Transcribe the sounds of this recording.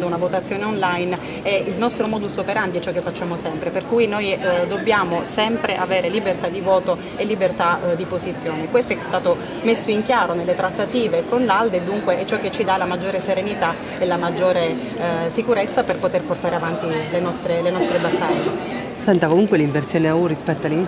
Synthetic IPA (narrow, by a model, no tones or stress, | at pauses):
d̪ounavot̪at̪sːjoːneonlajn | ɛilnɔst̪ɾomɔːd̪usopeɾant̪jɛt͡ʃːɔkːefːat͡ʃːaːmosɛmpɾeperkujnojd̪obːjaːmosɛmpɾeʔaveːɾelibert̪ad̪ivɔːt̪o | elːibert̪ad̪ipozit̪sːjoːnekwest̪oɛst̪aːt̪o | mesːoiŋkjaːɾonelːet̪ɾat̪ːat̪iːvekonlald̪ed̪ːuŋkweʔɛt͡ʃːɔkːet͡ʃːid̪alamad͡ʒːoːɾeseɾenit̪a | elamad͡ʒːoːɾe | sikuɾet̪sːaperpot̪erport̪aːɾeavant̪ilenɔst̪ɾelenɔst̪ɾebat̪ːaʎːe | sɛnt̪akomuŋkweliɱvert̪sjoːneaurispɛt̪ːoalii